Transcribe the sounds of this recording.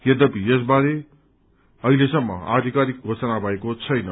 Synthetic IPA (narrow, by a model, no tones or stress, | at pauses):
jed̪ʌpijes̬baɾe | ʌɦilesʌmːʌ̰a̰d̪ʱikaɾik̚ɡʱosʌnabʱʌekot͡sʰʌjnʌ